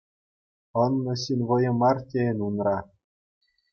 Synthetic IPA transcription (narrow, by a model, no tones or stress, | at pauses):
ɤ̆nːɤ̆ɕinʲʋɤ̆jɤ̆mɑrtʲenunrɑ